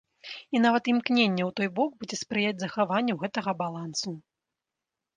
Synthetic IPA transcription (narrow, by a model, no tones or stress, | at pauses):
inavɐt̪imknʲenʲːɛwt̪ɔjbɔɡ̚bud͡zʲɛspɾɨjad͡zʲzɐxavanʲːɛwɣɛt̪ɐɣɐbalˠansu